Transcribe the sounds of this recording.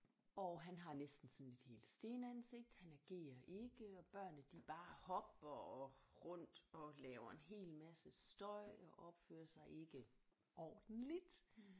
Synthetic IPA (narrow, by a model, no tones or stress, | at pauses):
ɒ̽ɦænɦɑ̈nesd̥n̩sɒ̽ne̝d̥he̝̰ːld̥sd̥e̝ːnəænse̝ɡ̥̚d̥hænæɡ̥e̝̰ːɐʔe̝ɡ̥əɒ̽b̥ɶɐ̰nəd̥ib̥ɑ̈ːhɒ̽b̥ɐɒʁɔn̰d̥ɒ̽lɛːʊɐe̝nɦe̝̰ːlmæsəsd̥ɒ̽ɪ̰ɒ̽ʔɒ̽b̥fø̰ːɐsɑ̈ɪʔe̝ɡ̥ə | ɒːd̥n̩lid̥